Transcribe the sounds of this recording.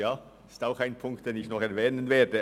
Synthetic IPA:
jaː | ɪ̥staʊxaɪnpʰʊŋk̚t̚d̥eːnɪçnɔχɛɐvɛːnənveːɐdə

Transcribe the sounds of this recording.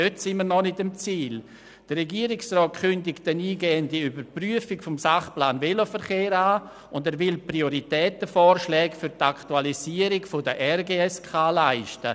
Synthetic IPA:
øtsɪnməɾnɔnɪtɪmt͡siːl | d̥ərɛɡiəɾɪksrɔːt̚kʏndɪkt̚d̥ɛniːɡɛːəndiybəɾpryəfɪkfɔmsaχplaːnvelofəɾχeːɾaː | ʊndɛːɾvɪlprioɾitɛːtəfɔːɾʃlɛːɡfyɾtaktualiziəɾɪkfodəʔɛrɡeːɛskʰaːlaɪʃtə

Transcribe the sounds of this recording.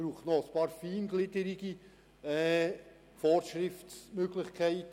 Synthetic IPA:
ɾuːχtnɔəspɑːɾfiːnɡlɪdəɾiɡ̥i | ɛː | fɔrʃɾɪftsmøɡlɪχkʰæɪt

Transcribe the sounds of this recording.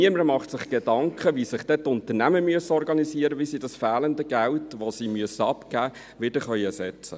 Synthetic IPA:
iəməɾmɑχtsɪχɡ̥edɑŋkχəʋisɪχd̥ɛtʊnt̪əɾnæməmyəsəɔɾɡɑnisiəɾəʋisidɑsfæːləndəɡ̥æltʋosimyəsəɑpɡ̥æː | ʋɪd̥əχœʏɛsɛt͡sə̰

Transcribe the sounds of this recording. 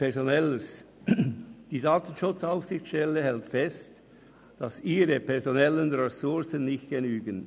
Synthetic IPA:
pʰɛɐzonɛləs | d̥iːdɑːtən̩ʃʊt͡saʊfsɪçtʃtɛlːəhɛltfɛst | d̥ɑsiːɾəpʰɛɐʁzonɛlənʁɛsʊʁsənːɪçt̚ɡ̥enyːɡən

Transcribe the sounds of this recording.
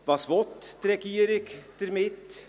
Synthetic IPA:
bɑsʋɔt̪ːɾɛkiːɾɪkt̪əɾmɪt̪ː

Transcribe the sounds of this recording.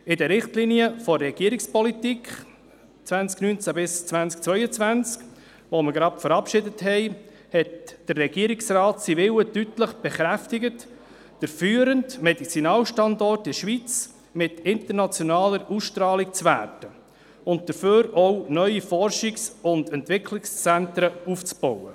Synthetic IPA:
ɪdəɾɪχtliniəfɔɾɛɡ̥iəɾɪkspɔlitikχ | t͡svænt͡sknyːnt͡sæbɪst͡svænsk̚t͡svœʏət͡svænt͡sk | ʋoməɡɾɑpfəɾɑpʃɪdəthɛɪ | hɛtd̥ərːɛɡ̥iəɾiksrɑːtsivɪwətytləχb̥ɛχɾæftɪɡət | d̥əɾfyːəɾəntmɛdit͡sinɑːlʃtɑndɔrtɪʃʋit͡s | mɪtɪntəɾnɑt͡sjɔnɑːləɾusʃtɾɑːlikt͡svæ̰ːɾtə | ʊnt̚d̥̪əɾføːɾɔwnœʏifɔrʃiksʊndɛntvɪkʰlɪkst͡sæntɾəuft͡sb̥ɔwə

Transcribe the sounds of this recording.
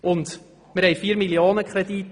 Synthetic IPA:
ʊnd̪ | mɪɾhɛɪfiːəɾmiljoːnəkʰɾɛdit

